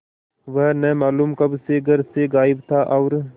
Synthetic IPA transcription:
ʋəɦnɛ̃ːmaːluːmkəbseɡʱəɾseɡaːɪbt̪ʰaːʔɐːɾ

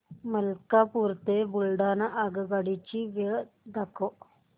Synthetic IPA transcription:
mɐlkapuːɾt̪ebulɖaːnɐʔaɡɡaɽit͡ʃiʋe | d̪ako

